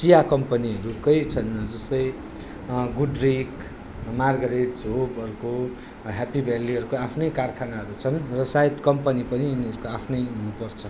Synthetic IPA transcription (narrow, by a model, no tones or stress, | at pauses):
sijakʌmpʌniʌɾukʌjt͡sʰʌnʌd͡zʌst̪ʌj | ɡuɖrik | marɡʌɾeʈd͡zobʌɾuko | ɦapibʱalːiɦʌɾukoapʰnʌjkarkʰanaɦʌɾut͡sʰʌnrʌsajit̪kʌmpʌnipʌniːniɦʌɾukoapʰnʌjunupʌrt͡sʰʌ